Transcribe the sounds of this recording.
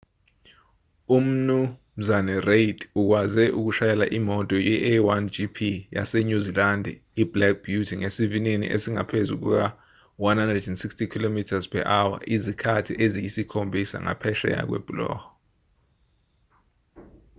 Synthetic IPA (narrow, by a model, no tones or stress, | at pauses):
um̩num̩zanɛreidʰuk̬wazɛʔuk̬uʃajɛla̰ʔimɔtʼɔjɛʔɛwand͡ʒipʰija̰seɲuzilandʱɛ | iblɛk̚ʰb̥judʰiŋesivinenḭʔesiŋa̰pʰezuk̬ṵk̬a | wanhandrɛdɛnsikstʰikʰilomitʰazpʰɛ̰ʔawa̰ʔizikʰatʰiʔezijisikʰombʱisa̰ŋa̰pʰɛʃɛ̰ja̰k̬wɛ̰b̥ulɔ̰ːhɔ